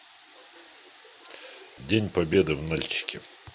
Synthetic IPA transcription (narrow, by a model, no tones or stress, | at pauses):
dʲenʲpɐbʲed̪ɨvnalʲt͡ɕɪ̥kʲɪ